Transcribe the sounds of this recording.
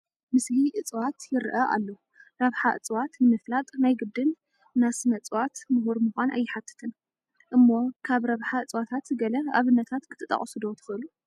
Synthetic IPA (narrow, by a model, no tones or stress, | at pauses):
mɨsliʔɨt͡sʼwat̪jɪɾʔɐʔa̰lːo | ɾɐβħaʔɨ̰t͡sʼwat̪nɨmɨflat̪ʼnajɡɨbd̪ɨnː | asɨnɐt͡sʼwat̪mɨhuɾmuxʷanʔa̰jːɪħat̪ʰːɨ̥t̪ʰɨn | ʔɨmːo̞kʰaβɾɐβħaɨt͡sʼwat̪ʰat̪ɡɐlɐa̰βɨnːɐt̪ʰat̪kʰɨ̥t̪ʰɨt̪ʼːɐ̰χʼɐsɨd̪o̞t̪ʰɨ̥xɨʔɨlu